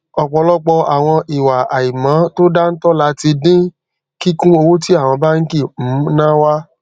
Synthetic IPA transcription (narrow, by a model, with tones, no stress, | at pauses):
ɔ˨k͡pɔ˧lɔ˦k͡pɔ˧a˨w̃ɔ̃˧i˨wa˨ʔa˨i˨mã˨˦to˦da˦n̩˦tɔ˦la˨˦ti˧dĩ˦ | ki˦kũ˦o˧wo˦ti˦a˦˨w̃ɔ̃˧ba˦ŋ̩˦ki˦˨m̩˨˦nã˦wa˦